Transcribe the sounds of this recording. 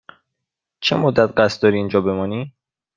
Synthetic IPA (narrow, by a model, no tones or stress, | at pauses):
t͡ʃʰemod̪ːæt̪̚ɢæst̪d̪ɒːɾiːind͡ʒɒːbe̞mɒːni